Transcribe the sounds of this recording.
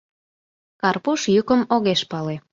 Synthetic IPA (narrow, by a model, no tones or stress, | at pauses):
kɑrpuʃjukəmoɣeʃpɑle